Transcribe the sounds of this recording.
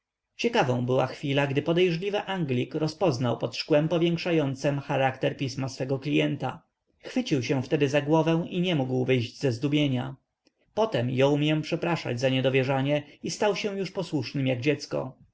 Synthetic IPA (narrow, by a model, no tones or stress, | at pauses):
t͡ɕɛkavɔ̃bɘwa̰xfʲilaɡd̪ɘpɔd̪ɛjʐlʲivɘʔaŋɡlʲikɾɔspɔznawpɔt̪ʂkwɛmpɔvʲjɛŋkʂajɔnt̪sɛmxaɾakt̪ɛɾpʲismasfɛɡɔklʲijɛnt̪a | xfɘt͡ɕiwɕɛ̃ft̪ɛd̪ɘzaɡwɔvɛ̃w̃ʔiɲɛmuɡwvɘjʑd͡ʑzɛzd̪ubʲjeɲa | pɔt̪ɛmjɔwmʲjɛ̃pʂɛpɾaʂa̰d͡ʑzaɲɛd̪ɔvʲjɛʐaɲɛist̪awɕɛ̃w̃juʂpɔswuʂnɘmjaɡd͡ʑɛt̪skɔ̰